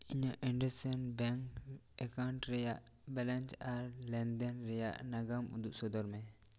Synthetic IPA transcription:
iɲaʔiɳɖɛsɛnbɛŋk | ɛkawɳʈɾɛjaʔbɛlɛnt͡ʃaɾlɛnd̪ɛnɾɛja̰ʔnaɡamṵd̪uʔsɔd̪ɔɾmɛ

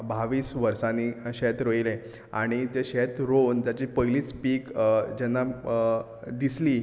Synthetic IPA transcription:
baʋiːsʋəɾsãniɕɛt̪ɾəilẽ | a̰ɽ̃it̪eɕet̪ɾont̪jat͡ɕipəjliːt͡spiːkd͡ʑɛnːa | d̪isli

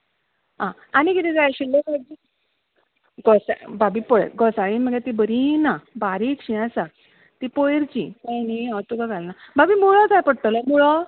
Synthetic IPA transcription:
ɦã | añikit̪id͡zajɕilːebabi | ɡɔsa̰babipɔɭ̰ɡɔsaɭiməɡat̪ibəɾinabaɾikɕĩasa | t̪ipojɾt͡ɕikajniãt̪uɡaɡalnababimuɭɔd͡zajpəɽt̪əlɔmuɭɔ

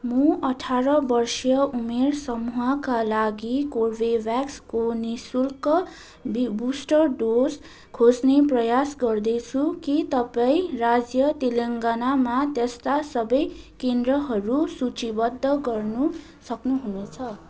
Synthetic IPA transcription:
muʌʈʰaɾʌbʌrsjʌumersʌmuɦʌkalaɡikorbebjakskonisulkʌ | bbusʈʌrɖos | kʰosneprʌjasɡʌrd̪ʌjt͡sʰukit̪ʌpaĩrad͡zjʌt̪eleŋɡanamat̪est̪asʌbʌjkend̪rʌɦʌɾusut͡sibʌd̪ʱːʌɡʌrnu | sʌknuɦunet͡sʰʌ

